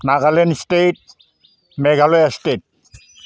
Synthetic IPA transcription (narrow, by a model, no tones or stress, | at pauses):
naɡalenstejt̚ | mɛɡalɔjastet̚